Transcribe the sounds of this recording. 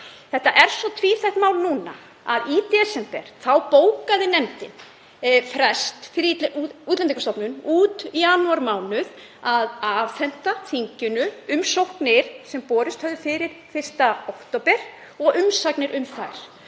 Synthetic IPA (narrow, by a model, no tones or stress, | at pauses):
θɛht̪ːaʔɛɾ̥sɔt̪ʰviːθɛht̪maːwlnuːna̰ | a̰ðit̪ɛsɛmpɛɾ̥θawpoːwkaðɪnɛmt̪ɪn | fɾɛst̪fɪɾuːt̪lɛnikast̪ɔwpnʏnuːt̪ijaːnuaɾmaːwnʏð | aðaːvfɛn̥t̪aθiɲcʏnʏʏmsowhknɪɾ̥sɛmpɔːɾɪst̪hœvðʏfɪɾɪɾ̥fɪr̥st̪aowkt̪opɛɾ̥ | ɔɣʏmsaknɪɾʔʏmθajɾ̥